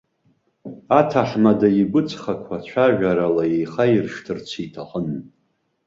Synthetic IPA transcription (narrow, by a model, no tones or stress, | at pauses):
atʰaħmadaiɡʷʊt͡sʰʼχakʷʰat͡ɕʷʰaʒʷᶣaɾalaejχairʂtʰɨrt͡ɕʷʰitʰaqʼən